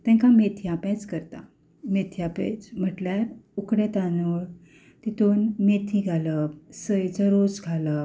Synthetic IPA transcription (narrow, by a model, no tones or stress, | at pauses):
t̪ɛ̃ŋkamet̪ʰijapɛ̃t͡skəɾt̪a̰ | met̪ʰijapḛ̃t͡sm̤əʈljaɾukɽẽt̪ano | t̪it̪onmet̪ʰiɡʱaləsəjt͡səɾot͡sɡʱalə